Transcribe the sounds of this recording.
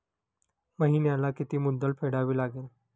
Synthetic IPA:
məɦinjalakit̪iːmud̪ːəlpʰeɽaʋiːlaɡeːl

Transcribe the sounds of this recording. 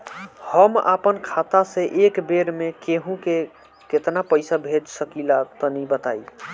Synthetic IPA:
həma̰pənkʰat̪asẽʔekbeɾmekeɦũke | ket̪napəjsabʱed͡ʒsəkilat̪ənibət̪aj

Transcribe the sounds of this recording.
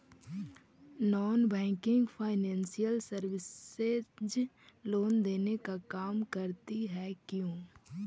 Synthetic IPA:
nɔːnbɛ̃ːkɪ̃ŋɡpʰaːɪnɛ̃ːnsijəlsəɾʋɪsed͡ʒ | loːnd̪eːnekakaːmkəɾt̪iɦɛkjõː

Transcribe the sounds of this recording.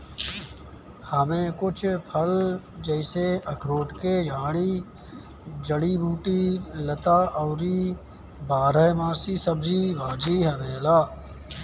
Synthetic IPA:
həmẽkʊt͡ʃʰpʰəl | d͡ʒəɪseəkʰɾoːʈked͡ʒʱaːɽ̃i | d͡ʒəɽiːbʱuːʈilət̪aːʔɔːɾi | baːɾəmãːsisəbd͡ʒibaːd͡ʒiɦəmeːlaː

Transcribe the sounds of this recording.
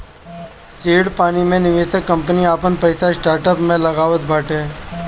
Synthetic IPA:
seːɽpaːnimẽnɪʋeːsəkːɐ̃mpəniaːpənpɐɪsasʈaːɾʈəpmẽlɐɣaːʋət̪̚bʱaːʈɦẽː

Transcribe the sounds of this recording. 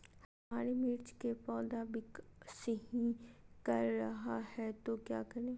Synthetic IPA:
hɐmaːɾemɪɾt͡ʃkepɔːd̪aːbɪkseɦĩkɐɾːɐɦahɛt̪okja̰ːkɐɾẽː

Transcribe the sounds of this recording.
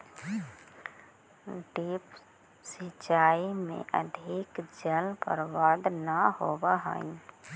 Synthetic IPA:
ɖiːp | sit͡ʃaːimḛ̃ʔə̰d̪ʱɪkd͡ʒənpə̰ɾwaːd̪nəɦoːbaɦə̰n

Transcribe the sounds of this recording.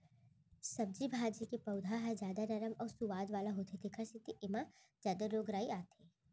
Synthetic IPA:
sɐb̚d͡ʒibʱaːd͡ʒikepɐʊd̪ʱaɦɛzjaːd̪anɐɾəmɔːɾsuʋaːd̪ʋaːlaɦoːt̪ʰet̪ʰekʰɐsit̪iʔɪmã | zjaːd̪aɾoːɡɾaːiaːt̪ʰeː

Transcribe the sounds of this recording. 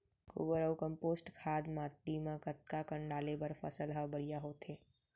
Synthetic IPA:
kṵːbəɾəukə̃mpoːsʈkʰaːd̪maːʈ̪ːimãkət̪̚kakə̃ɳɖaːlebɐɾfʰɐ̰səlɦɐbɐɾijaɦoːt̪ʰeː

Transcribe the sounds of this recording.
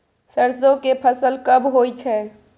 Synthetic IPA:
səɾsõkepʰəsəlkəbɦoːit͡ʃʰɛː

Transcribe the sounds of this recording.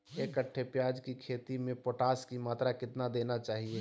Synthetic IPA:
eːkəʈʰːepjaːd͡ʒkikʰeːt̪imẽpoːʈaːskimaːt̪ɾakɪt̪nad̪eːnat͡ʃaːɦie

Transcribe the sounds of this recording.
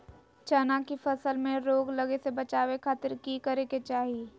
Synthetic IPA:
t͡ʃɐnakifɐsəlmẽɾoːɡlɐɡesebɐt͡ʃaːwekʰaːt̪ɪɾkikɐɾeket͡ʃaːɦie

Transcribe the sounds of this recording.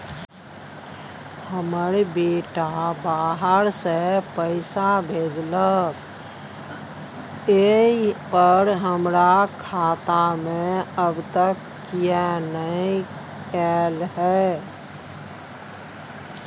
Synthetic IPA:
həməɾbeːʈabaːɦəɾsepəɪsabʱeːd͡ʒlək | epəɾɦəmɾakʰaːt̪amẽəbt̪əkːijanəiĩ | ɛlɦɛː

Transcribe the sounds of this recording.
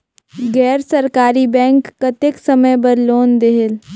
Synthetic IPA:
ɡɛːɾsɐɾkaːɾibɛ̃ːŋkːɐt̪eksɐməjbɐɾloːnd̪eɦɪl

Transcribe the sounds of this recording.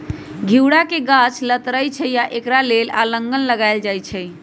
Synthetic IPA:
ɡʱiwɽakeɡãt͡ʃʰlət̪ɾəjt͡ʃʰəjaʔekɾalelaləŋɡənləɡajld͡ʒajt͡ʃʰɛj

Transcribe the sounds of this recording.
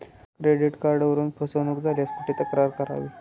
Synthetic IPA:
kɾeɖiʈkaɾɖəʋəɾuːnpʰəsənuːkd͡zʱaljaspəʈʰːit̪əkɾaɾkəɾa̰ʋiː

